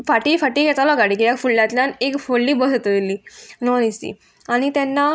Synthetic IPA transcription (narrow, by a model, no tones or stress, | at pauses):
faʈiːfaʈiːɡɛt̪alɔɡaɽiːkijjakfuɭljat̪ljanekfoɭːiːbəɦət̪d̪ilːiːnɔnist̪ḭ | aɽ̃it̪ɛnːa